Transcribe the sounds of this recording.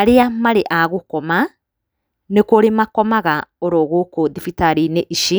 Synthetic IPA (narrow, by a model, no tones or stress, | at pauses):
aɾeamaɾeʔaɣokɔma | nekoɾemakɔmaɣaoɾoɣoːkoðifitaɾineʔiʃi